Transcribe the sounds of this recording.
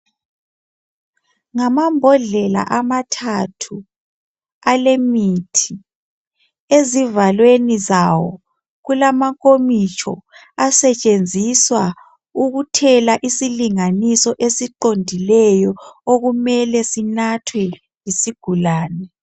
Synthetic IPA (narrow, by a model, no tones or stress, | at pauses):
ŋamambʱɔɮɛla̰ʔamatʰatʰu | alemitʰi | ezivalwenizawɔ | ɣulamakʼomit͡ʃʰɔ̰ | asɛt͡ʃʼend͡zʱiswa | uɣutʰɛlaʔisiliŋanisɔʔesiǃondʱilɛjɔoɣumɛlɛsinatʰwɛ | jisiɡ̥ʱulaːnɛ